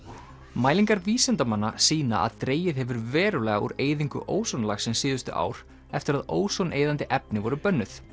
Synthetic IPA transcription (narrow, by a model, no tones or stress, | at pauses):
maːjliŋkaɾviːsɛnt̪amanːasiːna̰a̰ðt̪ɾeːjɪðhɛvʏɾvɛːɾʏlɛːɣaṵɾeːjðiŋkʏ̰ʔoːwsɔnlaxsɛmsɪːðʏst̪ʏʔa̰ːwɾ̥ | ɛft̪ɪɾaðoːwsɔnʔejðant̪ɪʔɛp̚nɪvɔɾʏpœnːʏθ